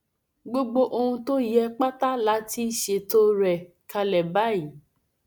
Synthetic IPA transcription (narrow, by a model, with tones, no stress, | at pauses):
ɡ͡bo˦ɡ͡bo˧ʔo˧hũ˧to˦jɛ˧k͡pa˦ta˦la˨˦ti˦ʃe˧to˦ɾɛ˨ | ka˧lɛ˨ba˦jĩ˨